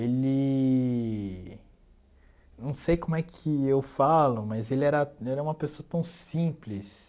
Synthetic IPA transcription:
elɪ | nɐ̃w̃sejkõmʊɛkʰɪewfalʊmɐzelɪɛɾɐɛlɐũmɐpesoɐt̪ɐ̃w̃sĩplis

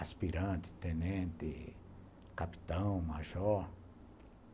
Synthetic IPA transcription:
aspiɾãnt̪i̥t̪enẽnt̪ḭ | kapi̥t̪ãw̃maʒoɾ

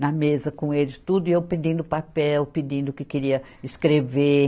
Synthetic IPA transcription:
nɐmezɐkõelɪt̪ud̪ʊiewped̪ĩnd̪ʊpapɛwpɪd̪ĩnd̪ʊkɪkɪɾiɐ | ɪskɾeve

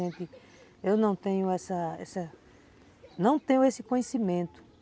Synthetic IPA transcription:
ẽnt̪ɪ | ewnɐ̃w̃t̪ẽɲʊɛsɐɛ̰sɐ | nɐ̃w̃t̪ẽɲʊesɪkõɲesimẽnt̪ʊ̥

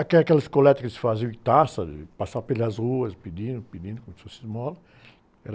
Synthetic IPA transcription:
akɛakɛlɐɪskolɛt̪ɐkɪsɪ̥faziʊɪ̃t̪asɐd̪ɪ̰pasapelɐzʁuɐspid̪ĩnd̪ʊpid̪ĩnd̪kõmsfosizmɔlɐ | ɛɾ

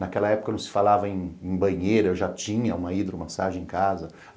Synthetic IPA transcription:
nakɛlɐɛpʊkɐnɐ̃w̃sɪ̥falavɐẽj̃ẽj̃bɐ̃ɲejɾɐewʒat͡ʃĩɲɐũmɐid̪ɾʊmasaʒẽẽkazɐ

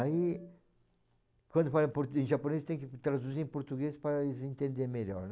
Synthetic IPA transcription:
ai | kwɐ̃nd̪ʊfalɐ̃poɾẽʒaponezt̪ẽj̃kɪt̪ɾad̪uziɾẽpoɾt̪uɡespaɾɐɪzẽnt̪ẽnd̪eɾmeʎɔ̰ɾn

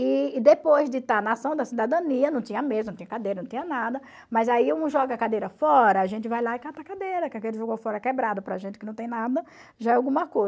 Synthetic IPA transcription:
ɪːd̪epojzd̪ɪt̪aɾnɐasɐ̃w̃d̪ɐsid̪ad̪ɐ̃niɐnɐ̃w̃t̪ĩɲɐmezñt̪ĩnɐkad̪ejɾɐnɐ̃t̪iɲ̃ɐnad̪ɐ | mɐjzaiũũʒɔɡɐkad̪ejɾɐfɔɾɐaʒẽnt͡ʃɪvajlaɪkat̪akad̪ejɾɐkɪakelɪʒoɡofɔɾɐkɛbɾad̪ʊpɾɐʒẽntɪkɪnɐ̃w̃t̪ẽj̃nad̪ɐ | ʒaɛawɡũmɐkoj

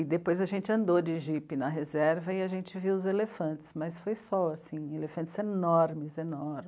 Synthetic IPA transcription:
ɪd̪epojzɐʒẽnt͡ʃɪɐ̃nd̪od͡ʒɪʒipɪnɐɦezɛɾvɐɪaʒẽnt͡ʃɪviwʊzelefɐ̃nt͡ʃɪ̥smɐsfojsɔasĩelefɐ̃nt͡ʃɪzenɔɾmɪzenɔɾm

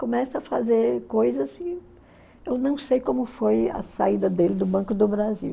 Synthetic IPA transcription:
kõmɛsɐɐfazeɾkojzɐsɪ | ewnɐ̃w̃sejkõmʊfojɐ̰said̪ɐd̪elɪd̪ʊbɐ̃kʊd̪ʊbɾaziw

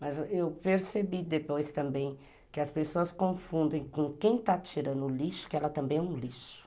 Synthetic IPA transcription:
mɐzewpeɾsebid̪epojst̪ɐ̃mbẽj̃ | kɪɐspesoɐskõfũnd̪ẽj̃kõkẽj̃t̪at͡ʃiɾɐ̃nd̪ʊliʃʊ̥kɪɛlɐt̪ɐ̃mbẽj̃ɛũliʃʊ̥

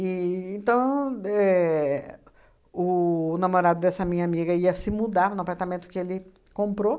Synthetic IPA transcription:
iẽnt̪ɐ̃w̃ɛ | ʊnamoɾad̪ʊd̪ɛsɐamĩɲɐamiɡɐiɐsɪmud̪aɾnapaɾt̪amẽnt̪ʊ̥kɪelɪ | kõmpɾo

